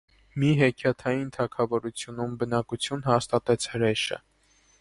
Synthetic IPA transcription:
miɦɛkʰjɑt̪ʰɑjint̪ʰɑkʰɑvɔɾut͡sʰjunumbənɑkut͡sʰjunhɑst̪ɑt̪ɛt͡sʰhəɾɛʃə̰

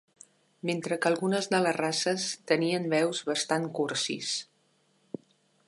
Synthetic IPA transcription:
ment̪ɾəkəlˠɣunəzðələrasəst̪əniənβɛwzβəst̪aŋkuɾsḭs

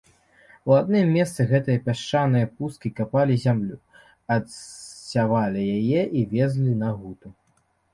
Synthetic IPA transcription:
uad̪̚nɨmːʲɛst̪sɨɣɛt̪ɨjɐpʲaʂt͡ʂanɨjɐpuskʲikapalʲizʲamlʲu | ɐd̪ssʲavalʲijajɛʔivʲɛzlʲinɐɣut̪u

